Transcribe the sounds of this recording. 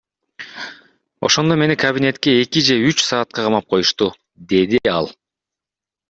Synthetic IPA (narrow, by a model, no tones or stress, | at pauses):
o̞̰ʃo̞nd̪o̞me̞nikʰɐbʲinʲe̞t̪ke̞ːkid͡ʒe̞yt͡ʃsɑːt̪̚qɑqʰɑmɑp̚qʰo̞juʃt̪u | d̪e̞d̪iɑ̰lˠ